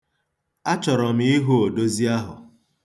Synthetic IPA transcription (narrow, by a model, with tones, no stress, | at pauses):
a˦t͡ʃɔ˨ɾɔ˨m̩˨˦i˦ɦu˦o˨do˦zi˦a˦ɦʊ̰˨